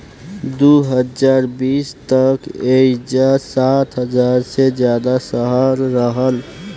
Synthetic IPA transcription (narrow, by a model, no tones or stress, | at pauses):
d̪uɦəd͡ʒaːɾbiːst̪əked͡ʒasat̪ʰɦəd͡ʒaɾsed͡ʒjaːd̪asəɦaɾːəɦəl